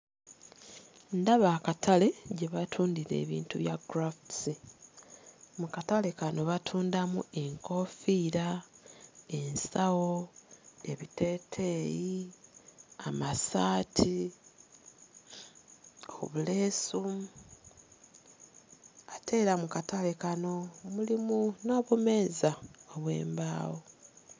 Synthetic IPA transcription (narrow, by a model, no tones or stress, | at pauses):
ndaβaːkatʰale̞ɟe̞βatʰuːndiɾe̞̰ːβḭːntuβjaɡɾaftsi | mukatale̞kano̞βatʰuːndamue̞ŋko̞ːfiːɾa | e̞nsawo | e̞βite̞ːtʰe̞ji | amasaːtʰi | o̰βule̞ːsu | atʰe̞ːɾamukatale̞kano̞mulimuno̞ːβume̞ːzaoβwe̞̰ːmbaːwo